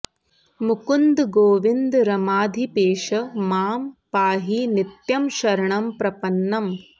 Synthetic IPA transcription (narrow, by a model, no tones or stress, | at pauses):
mukund̪ɡoːʋind̪ɾɐmaːd̪ʱipeːʃɐmaːmpaːɦinit̪jɐmʃɐɾɐɳɐmpɾɐpɐnːɐm